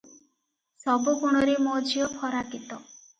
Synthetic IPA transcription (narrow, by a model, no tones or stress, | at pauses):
sɔbukuɽ̃ɔɾemod͡ʒijɔpʰɔɾakit̪ɔ